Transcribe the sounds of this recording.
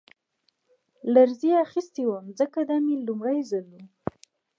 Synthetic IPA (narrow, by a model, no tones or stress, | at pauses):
laɾziaxist̪iwəmzəkad̪amilumɽajzalu